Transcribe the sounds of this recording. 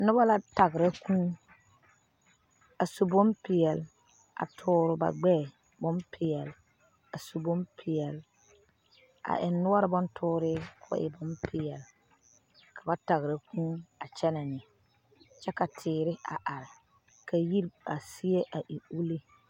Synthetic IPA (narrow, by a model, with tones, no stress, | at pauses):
nʊ˦ba˦la˦ta˨ɡɾɛ˦kũ˦ | a˨su˨bo˦mpɪ˨jɛ˨l | a̰˨tʰʊː˦ɾʊ˨ba̰˨ɡ͡bɛː˦˨ | bɔ˦mpʰɪ˨jɛ˨l | a˨su˨bo˦mpʰɪ˨jɛ˨l | a̰˨ʔɪ˨nːʊ˦ɔ˦ɾɪ˨bɔ˦ntʰʊː˦ɾɪ˦kʰʊ˨˦ʔɪ̰˨bɔ˦mpʰɪ˨jɛ˨l | kʰa˨ba˦ta˨ɣɾa˨kũ˦a˨t͡ʃɛ˦na˨nɪ˨ | t͡ʃɛ˦ka˨tʰɪː˨ɾɪ˦a̰˨ʔa˨ɾɪ˨ | ka˨ji˦ɾa˨si˦e˦ʔa˨ʔi˨u˦li˦